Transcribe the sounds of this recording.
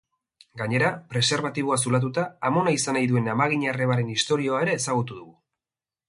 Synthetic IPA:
ɡaɲe̞ɾapɾe̞se̞ɾβat̪iβ̞o̞as̬ulat̪̬ut̪aːmo̞naisanajðue̞namaɣ̞iɲare̞β̞aɾe̞nist̪o̞ɾio̞ae̞ɾe̞ːsaɣut̪uðuɣu

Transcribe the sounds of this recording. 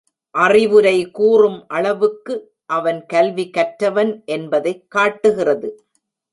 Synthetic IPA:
ʔɐrɪʋɯɾɐɪkuːrɯmʔɐɭɐʋɯkːɯ | ʔɐʋɐnkɐlʋikɐʈɾɐʋɐnʔɛnbɐðɐɪkːaːʈːɯɣɪrɐðɯ

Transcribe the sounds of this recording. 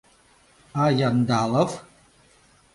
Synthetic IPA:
ajand̪aləv

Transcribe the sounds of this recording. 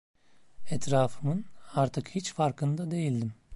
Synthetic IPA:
ɛt̪ʰɾaːfɯmɯnaɾt̪ʰɯkhit͡ʃfaɾkʰɯnd̪ad̪e̞jilʲd̪im

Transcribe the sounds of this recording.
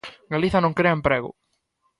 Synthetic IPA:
ɡaliθɐnõŋkɾeɐempɾeɣʊ̰

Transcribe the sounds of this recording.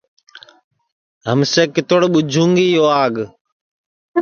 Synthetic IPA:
ɦəmseːkɪt̪oɽɓʊd͡ʒʱũːŋɡiːjoːaːɡ

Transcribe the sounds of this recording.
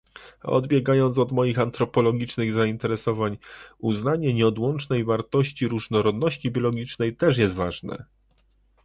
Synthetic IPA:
ɔ̰d̪bʲjɛɡajɔnt̪sɔd̪mɔjixant̪ɾɔpɔlɔɡʲit͡ʂnɘɣzaint̪ɛɾɛsɔvaɲuznaɲɛɲɛɔd̪wɔnt͡ʂnɛjvaɾt̪ɔɕt͡ɕiɾuʐnɔɾɔd̪nɔɕt͡ɕibʲjɔlɔɡʲit͡ʂnɛjt̪ɛʂ̬jɛst̪vaʐnɛ̰

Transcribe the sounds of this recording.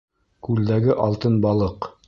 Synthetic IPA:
kʉld̪æɡɘʔɑlˠt̪ɤnbɑlˠɤq

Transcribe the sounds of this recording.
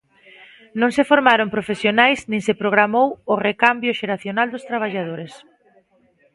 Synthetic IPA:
nõŋsefoɾmaɾompɾofesjonajsnĩŋsepɾoɣɾamowʊrekambjʊʃeɾaθjonald̪ʊst̪ɾaβ̞aʎað̞oɾes

